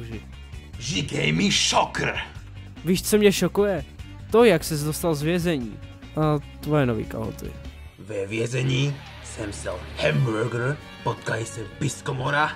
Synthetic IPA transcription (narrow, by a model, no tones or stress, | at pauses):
ʒɪ | ʒiɡɛjmiʃɔkɾ | viːʃt͡somɲɛʃokujɛ | t̪ojaksɛzd̪ost̪alzvjɛzɛɲḭː | ʔat̪vojɛnovḭːka̰ɦo̰t̪ɪ̰ | vɛvjɛzɛɲiː | sɛmsd̪alhɛmbuɾɡɾ | pɔt̪kalisɛbiskɔmɔɾa